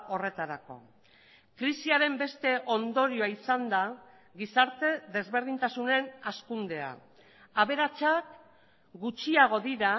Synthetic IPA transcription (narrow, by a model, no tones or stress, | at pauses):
o̞re̞t̪aɾako̞̰ | kɾisiaɾe̞mbe̞st̪e̞ʔo̞nd̪o̞ɾioaisand̪a | ɣisaɾt̪e̞ðe̞zβe̞ɾð̞int̪asune̞naskund̪e̞a̰ | aβe̞ɾat͡ʃak | ɡut͡ʃiaɣ̞o̞ðiɾa